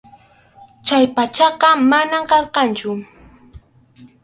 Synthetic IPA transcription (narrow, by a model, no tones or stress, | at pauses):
t͡ʃajpat͡ʃɑqɑmanamqɑlqɑnt͡ʃʊ